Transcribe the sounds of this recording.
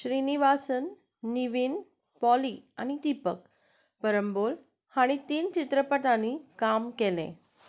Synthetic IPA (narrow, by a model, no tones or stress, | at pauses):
ɕɾiniʋasənː | iʋin | pɔliaɽ̃id̪ipək | pəɾəmbol | haɽ̃it̪iːnt͡ɕit̪ɾəpəʈãnikamkelḛ̃